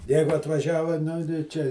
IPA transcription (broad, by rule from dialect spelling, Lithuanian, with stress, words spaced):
ˈjɛɪɡʊ ɐtʋɐˈʒʲæːʋɐ ˈnʊ tɐɪ ˈt͡ʃʲɛ